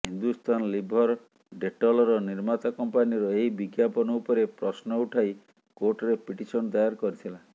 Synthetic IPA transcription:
ɦind̪ust̪ʰanlibʱɔɾ | ɖeʈɔlɔɾɔniɾmat̪akɔmpaniɾɔeɦibiɡjapɔnɔupɔɾepɾɔsnɔuʈʰaj | koɾʈɔɾepiʈisɔnɔd̪ajaɾkɔɾit̪ʰila

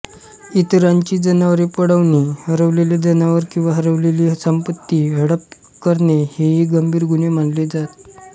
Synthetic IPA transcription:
it̪ɾaɲt͡ɕiːd͡zənaʋəɾepəɽəʋnehəɾəʋleljad͡zənaʋəɾkĩw̃ʋaɦəɾəʋleliːsəmpət̪ːiːɦəɽəp | kəɾneheɦiːɡəmbʱiːɾɡunem̤anled͡zat̪

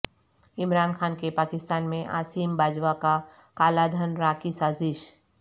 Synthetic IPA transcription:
ɪmɾaːnkʰaːnkepaːkɪst̪aːnmẽʔa̰ːsiːmbaːd͡ʒʋaka | kaːlad̪ʱənɾaːkisaːzɪʃ

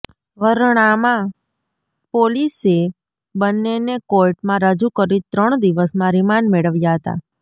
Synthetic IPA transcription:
ʋəɾɽ̃amã | polise | bənːenekojʈmãɾəd͡ʒukəɾit̪ɾəɳ̃d̪iʋəsmãɾimanmeɭəʋjaɦət̪a̰

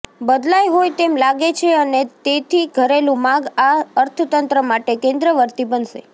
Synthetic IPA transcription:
bəd̪lajɦojt̪emlaɡet͡ʃʰeənet̪et̪ʰiɡʱəɾelũmãɡaəɾt̪ʰət̪ənt̪ɾəmaʈekẽnd̪ɾəʋəɾt̪ibənʃḛ

